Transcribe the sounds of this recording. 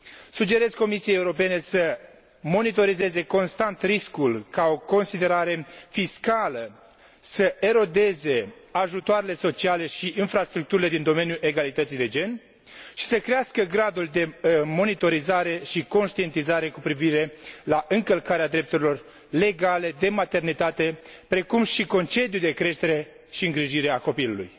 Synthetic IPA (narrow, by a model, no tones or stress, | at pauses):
sud͡ʒe̞ɾe̞zko̞misiejeuɾo̞pe̞ne̞sə | mo̞nit̪o̞ɾize̞ze̞ko̞nst̪ant̪ɾiskulkao̞ko̞nsid̪e̞ɾaɾe̞fiskalə | səʔe̞ɾo̞d̪e̞ze̞aʒut̪oaɾele̞so̞t͡ʃiale̞ʃiʔinfɾast̪ɾuk̚t̪uɾile̞d̪ind̪o̞me̞njuʔe̞ɡalit̪ət̪sid̪e̞d͡ʒe̞n | ʃi̥səkɾeaskəɡɾad̪uld̪e̞mo̞nit̪o̞ɾizaɾe̞ʃiko̞nʃt̪ie̞nt̪izaɾe̞kupɾiviɾe̞laʔɨŋkəlkaɾead̪ɾe̞p̚t̪uɾilo̞r | le̞ɡale̞d̪e̞mat̪e̞rnit̪at̪e̞pɾe̞kumʃiko̞nt͡ʃe̞d̪jud̪e̞kɾe̞ʃt̪e̞ɾe̞ | ʃiɨŋɡɾiʒiɾe̞ako̞pilulṵj